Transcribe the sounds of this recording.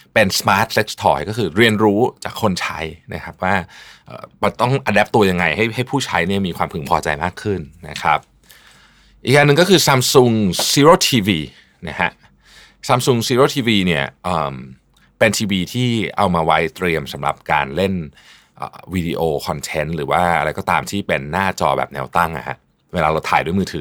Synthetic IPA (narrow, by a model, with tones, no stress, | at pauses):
pe˧nsmaː˦˥t̪̚se˦˥k̚st̪ʰɔ̰ː˧˩jkɔː˥˩kʰɯː˧ɾi˧ənɾuː˦˥t͡ɕa̰ː˨˩kʰːo˧nt͡ɕʰa˦˥jna̰˦˥kʰa˦˥p̚waː˥˩ʔɤ̰ː˨˩ma˧t̪ɔ˥˩ŋʔa˧dɛː˦˥p̚t̪u˧ɐja˧ŋa˧jha˥˩jha˥˩jpʰuː˥˩t͡ɕʰa˦˥jni˥˩ɐmiː˧kʰwaː˧mpʰɯ˨˩˦ŋpʰɔː˧t͡ɕa̰˧jma̰ː˥˩kʰːɯ˥˩nːa̰˦˥kʰa̰˦˥p̚ | ʔḭː˨kʔaː˧nːɯ˨˧ŋkɔː˥˩kʰɯː˧sa˧msu˧ŋsiː˦˥ɾoː˧˩t̪ʰiː˧wiː˧ | na˦˥kʰa˦˥ʔ | saː˧msu˧ŋsiː˦˥ɾoː˥˩t̪ʰiː˧wiː˧ni˥˩ɐʔəː˨˩m | pe˧nt̪ʰiː˧wiː˧t̪ʰiː˥˩ʔa˧wmaː˧wa˦˥jt̪ɾi˧əmsa˩˦mɾa̰˨˩p̚ka̰ː˧nle˥˩n | ʔə̰ː˨˩wi˧dḭ˧ʔoː˧kʰɔ˧nt̪ʰe˦˥nɾɯː˩˦waː˥˩ʔa̰˧ɾa˧jkɔː˥˩t̪aː˧mt̪ʰiː˥˩pe˧nːaː˥˩t͡ɕɔː˧bɛ̰˨˩p̚nɛ̰ː˦˥wt̪a˥˩ŋʔa̰˨˩ha̰˦˥ʔ | weː˧laː˧ɾa˧wt̪ʰa̰ː˨˩jdu˥˩˨jmɯː˧t̪ʰɯː˨˩˦